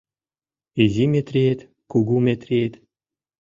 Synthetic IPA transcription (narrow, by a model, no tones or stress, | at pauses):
izʲimʲet̪rʲiet̪ | kuɡumʲet̪rʲiet̪